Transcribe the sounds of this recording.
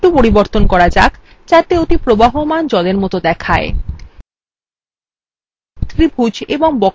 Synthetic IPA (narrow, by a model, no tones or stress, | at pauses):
ʈupoɾiboɾt̪onkɔɾad͡ʑa̰k | t͡ɕat̪eot̪ipɾobaɦomand͡ʑɔleɾmɔt̪od̪ɛkʰae | t̪ɾibʱud͡ʑeboŋbɔk